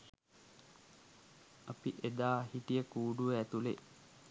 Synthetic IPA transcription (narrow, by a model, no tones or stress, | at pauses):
apiʔed̪aːɦiʈijəkuːɖuʋəæt̪ulḛ